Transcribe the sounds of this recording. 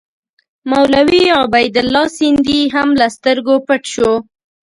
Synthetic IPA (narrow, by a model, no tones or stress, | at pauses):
mawlawiɑbajd̪ʊlːɑsind̪iɦamlast̪əɾɡopəʈʃo